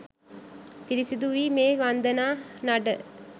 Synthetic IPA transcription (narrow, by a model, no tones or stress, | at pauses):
piɾisid̪uʋiːmeːʋand̪ənaːnaɖə